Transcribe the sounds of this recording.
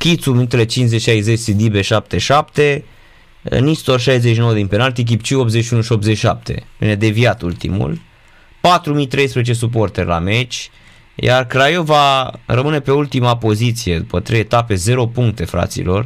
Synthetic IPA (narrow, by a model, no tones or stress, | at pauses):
kʲit̪suminut̪ele̞t͡ʃinszet͡ʃʃajzet͡ʃʲsid̪ibeʃap̚t̪e̞ʃapt̪e̞̰ | nist̪orʃajzeʃino̞wəd̪inpe̞nalt̪ik̬ipt͡ʃio̞pt̪zeʃiunuʃiopt̪zet͡ʃiʃap̚t̪e̞̰vḭne̞d̪e̞viat̪ult̪ḭmṵl | pat̪ɾumijt̪ɾe̞jspɾezet͡ʃe̞s̬up̬o̞rt̪erʲla̰me̞t͡ʃʲ | ja̰rkɾajo̞varəmɨne̞pe̞ult̪imapo̞zit̪sije̞d̪upət̪ɾejet̪ape̞ze̞ɾo̞puŋk̚t̪e̞fɾa̰t̪sḭlo̞r